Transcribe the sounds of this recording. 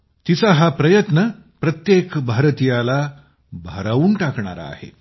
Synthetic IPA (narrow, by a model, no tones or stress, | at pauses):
t̪it͡saɦapɾəjət̪nəpɾət̪jekbʱaɾt̪ijala | bʱəɾaʋuːɳʈakɳa̰ɾa̰a̰hḛ